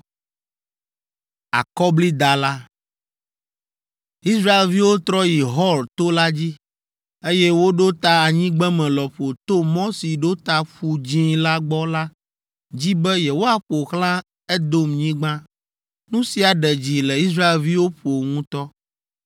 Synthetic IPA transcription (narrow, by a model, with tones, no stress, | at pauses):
a̰˨kɔ˦bli˦d̪a˨la˦ | i˦sɾa˦e˨lvi˦wo˦t̪ɾɔ˦ji˨ɦɔ˦lt̪o˦la˦d͡ʑi˦ | e˦jɛ˦wo˦ɖo˦t̪a˦a˨ɲĩ˦ɡ͡bɛ˦mɛ̃˨lɔ˨ɸo˨t̪o˦mɔ̃˦si˨ɖo˦t̪a˦ɸu˨d͡ʑĩ˦la˦ɡ͡bɔ˦la˦ | d͡ʑi˦bɛ˦je˨wo˦a˨ɸo˨xlã˦ | ɛ˦d̪o˦mɲĩ˦ɡ͡bã˦ | nũ˦si˨a˨ɖɛ˨d͡ʑi˨lɛ˨i˦s̬ɾa˦e˨lvi˦wo˦ɸo˨ŋũ˦t̪ɔ˦